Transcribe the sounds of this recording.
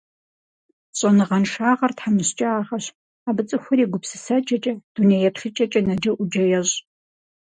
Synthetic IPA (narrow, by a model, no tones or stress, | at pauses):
ɕʼɐnɨʁɐnʂaːʁɐrtħamɨɕt͡ʃʼɐaːʁɐɕ | aːbɨt͡sʼɨxʷʊɾiːɡʷʊpsɨsɐt͡ʃʼɐt͡ʃʼɐd̥unejɛpɬɪt͡ʃʼɐt͡ʃʼɐnɐd͡ʒɐʔʷʊd͡ʒɐjɛɕʼ